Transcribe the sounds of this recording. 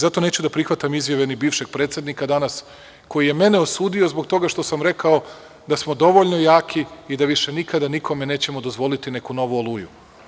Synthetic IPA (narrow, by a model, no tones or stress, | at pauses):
zat̪o̞ne̞ːt͡ɕud̪apɾixʋat̪amizjaʋe̞nibiːfʃe̞ɡ̚pɾe̞ːt̪sʲjed̪nikad̪anas | ko̞jije̞me̞neosuːd̪io̞zbo̞ɡt̪o̞ɡaʃt̪o̞samɾe̞kao̞ | d̪asmo̞d̪o̞ʋo̞ʎno̞jaːkʰiid̪aʋiʃe̞nikad̪anikʰo̞mene̞ːt͡ɕe̞mod̪o̞zʋo̞lit̪ine̞kuno̞ʋuolˠuːju